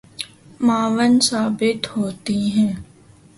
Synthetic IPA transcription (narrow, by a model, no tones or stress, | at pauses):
maːʋənsaːbɪt̪hoːt̪iɦɛ̃ː